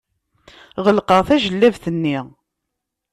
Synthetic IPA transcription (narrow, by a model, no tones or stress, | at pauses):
ʁəlqəʁθæʒəlːævθənːi